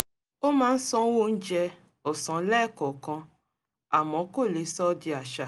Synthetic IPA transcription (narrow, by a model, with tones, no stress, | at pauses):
o˦mãː˦n̩˦sɔ̃˧˦wo˦˧n̩˦d͡ʒɛ˧ | ɔ˨sɔ̃˨˦lɛː˦˨kɔ˨kɔ̃˧ | a˨mɔ̃˨˦ko˦˨le˨˦sɔ˦di˧a˨ʃa˨